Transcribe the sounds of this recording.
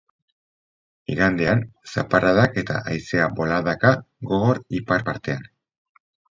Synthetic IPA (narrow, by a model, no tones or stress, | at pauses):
iɾand̪eansaparaðake̞t̪a̰ʔajse̞aβo̞laðaka | ɣo̞ɣo̞ɾipaɾpaɾt̪e̞an